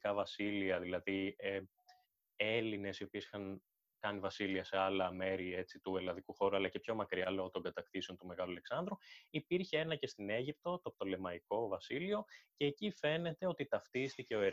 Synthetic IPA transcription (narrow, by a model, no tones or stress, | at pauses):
kɐvɐsiliɐðilɐðie | eline̞sio̞pie̞si̥xɐŋ | kɐnivɐsiliɐse̞ɐlɐme̞ɾie̞t͡sit̪uelɐðikuxo̞ɾuɐlɐce̞pço̞mɐkɾiɐlo̞ɣot̪o̞ŋɡɐt̪ɐkθiseo̞nt̪ume̞ɣɐluɐleksɐnd̪ɾuipiɾçee̞nɐce̞st̪ine̞ʝip̚t̪o̞t̪op̚t̪o̞le̞mɐiko̞vɐsilio̞ce̞ːcife̞ne̞t̪e̞o̞t̪it̪ɐft̪ist̪ice̞oe